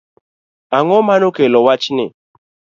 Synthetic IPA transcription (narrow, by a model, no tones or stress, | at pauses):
aŋɔmanokelɔwat͡ʃinɪ̰